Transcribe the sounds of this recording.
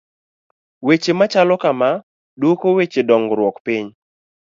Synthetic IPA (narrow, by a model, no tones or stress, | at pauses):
wet͡ʃemat͡ʃalɔkama | dokowet͡ʃedɔŋɡɾwɔkpiɲ